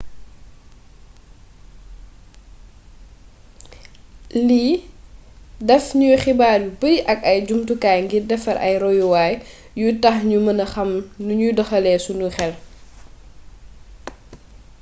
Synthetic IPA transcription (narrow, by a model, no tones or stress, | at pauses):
li | dɛfɲuxibaːɾbipəɾʔɐkɐjd͡ʒumtukaːjŋɡidɛfɐɾʔɐ̰jɾɔjuwaːj | jutɐxɲumɐnɐxɐmnuɲudɐxɐlɛsunuxɛl